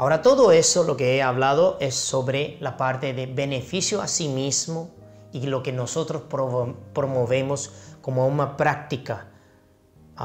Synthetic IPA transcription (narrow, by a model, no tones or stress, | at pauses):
aoɾat̪oðoesolo̞keeaβlaðoʔesːo̞βɾe̞lapaɾt̪e̞ðeβe̞nefisjoa̰simizmo | ilo̞kenoso̞t̪ɾospɾopɾomoβe̞mosko̞mounapɾak̚t̪ika